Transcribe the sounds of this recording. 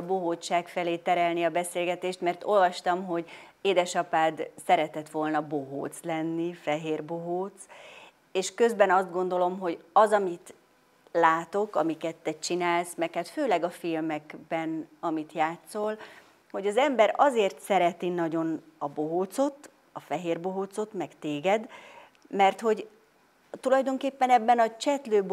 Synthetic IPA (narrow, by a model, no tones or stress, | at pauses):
ɒboɦoːt͡ʃːaːkfɛleːt̪ɛɾɛlniɒbɛseːlɡɛt̪eːʃt̪mɛrt̪o̞lvɒʃt̪ɒmɦo̞ɟeːd̪ɛʃɒpaːd̪sɛɾɛt̪ɛt̪ʋo̞lnɒbo̞ɦo̰ːt̪slɛnːifɛɦeːrboɦoːt̪s | eːʃkø̞zbɛnɒzd̪̚ɡo̞n̪d̪o̞lo̞mɦo̞ɟɒzɒmit̪ | laːt̪o̞kɒmikɛt̪ːɛt͡ʃinaːlsmɛkhaːt̪føːlɛɡɒfilmɛkbɛnɒmit̪jaːt̪so̞l | ho̞ɟɒzɛmbɛɾɒzeːrt̪sɛɾɛt̪inɒɟo̞nɒboɦoːt̪so̞t̪ | ɒfɛɦeːrboɦoːt̪so̞t̪mɛkt̪eːɡɛd̪ | mɛrt̪ho̞ɟ | t̪ulɒjd̪o̞ŋkeːpːɛnɛbːɛnɒt͡ʃɛt̪løːb